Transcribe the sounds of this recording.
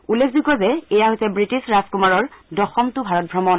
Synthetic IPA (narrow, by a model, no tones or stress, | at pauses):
ulːekʰzukɔzɛɛjaɦojsɛbɹitisɹaskumaɹɔɹdɔxɔmtʊbʱaɹɔt̚bʱɹamɔn